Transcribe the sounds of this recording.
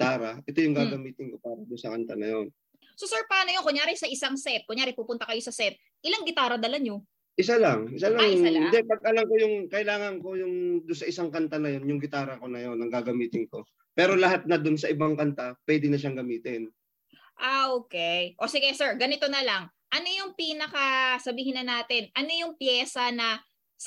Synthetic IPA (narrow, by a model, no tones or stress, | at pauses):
t̪aːɾɐʔɛt̪o̞jʊŋɡaːɡɐmiːt̪ɪnko̞paːɾɐd̪ʊnsɐkɐnt̪anɐjo̞n | sosɛɹpaːnojonkʊŋjaːɾɪsɐʔɪsaŋsɛt̪̚kʊɲjaːɾɪpuːpʊnt̪ɐkɐjo̞sɐsɛt̪̚ | ʔɪlaŋɡɪt̪aːɾɐd̪ɐlɐɲo | ʔɪs̬alɐŋɪsalaŋalɪnd̪ɛpɐɡ̚ɐlɐmko̞jʊŋkɐʔɪlaːŋɐnko̞jʊŋd̪ʊnsɐʔɪsaŋkɐnt̪anɐjo̞njʊŋɡɪt̪aːɾɐko̞nɐjo̞nːɐŋɡaːɡɐmiːt̪ɪnko̞ | pɛːɾo̞lɐɦat̪̚nɐd̪ʊnsɐʔɪbaŋkɐnt̪apwɛd̪ɪnɐʃ̬aŋɡɐmiːt̪ɪn | ʔaʔoːkɛjʔo̞sɪɡɛsɛɹɡɐnɪt̪o̞nɐlɐŋ | ʔɐno̞jʊŋpiːnɐkɐsɐbiːhɪnːɐnaːt̪ɪnʔɐno̞jʊŋpjɛːsɐnɐ | s